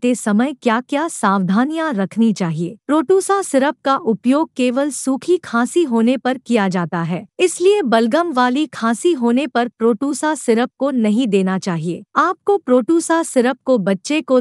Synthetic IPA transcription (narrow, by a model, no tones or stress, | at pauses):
t̪esɐməjkjaːkjaːsaːʋd̪ʱaːnijaɾɐkʰnit͡ʃaːɦieːpɾoːʈuːsasɪɾəp̚kaʔʊpjoːɡ̚keːʋəlsuːkʰikʰaːsiɦoːnepɐɾkijad͡ʒaːt̪aɦɛːɪsliebɐlɡəmʋaːlikʰaːsiɦoːnepɐɾpɾoːʈuːsasɪɾəp̚konɐɦĩd̪eːnat͡ʃaːɦieːaːp̚kopɾoːʈuːsasɪɾəp̚kobɐtːʃeko